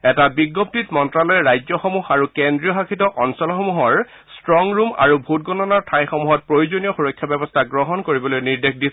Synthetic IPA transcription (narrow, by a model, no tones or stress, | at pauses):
ɛtabiɡop̚titmɔntɹalɔjɛɹajzɔxɔmuxaɹukendɹijɔxakʰitɔʔɔnsɔlɔxɔmuɦɔɹ | stɹɔŋɹuma̰ɹubʱut̚ɡɔnɔnaɹtʰajxɔmuɦɔt̚pɹojuzonijɔxuɹɔkʰːjabɛbɔstʰaɡɹɔɦɔnkoɹibɔlojniɹdexdi